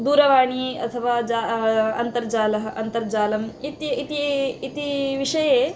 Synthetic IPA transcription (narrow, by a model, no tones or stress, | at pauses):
d̪uːɾɐʋaːɳ̃iːɐ̰t̪ʰəʋad͡ʒaɐ̰nt̪ɐɾd͡ʒaːlɐɦɐnt̪ɐɾd͡ʒaːlɐmit̪jit̪iit̪iʋiʂɐje